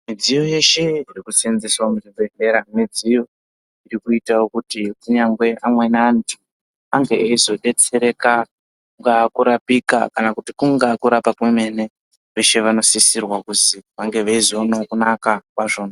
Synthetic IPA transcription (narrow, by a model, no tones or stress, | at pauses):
mid͡zijo̞je̞ʃe̞irikusenzeswamuzibe̞ne̞ːɾamid͡zijo̞ | iɾikuitawokutikuɲaŋɡwe̞ʔamwe̞naːntʰu̥ | aŋɡe̞eizo̞ɗe̞t͡se̞ɾe̞ka | kuŋɡakuɾapika̰kanakutikuŋɡakuɾapakweme̞ne̞ | ʋe̞ʃe̞ʋano̞sisirwakuziʋaŋɡe̞ʋaizoonaokunakakwaʐo̞ːna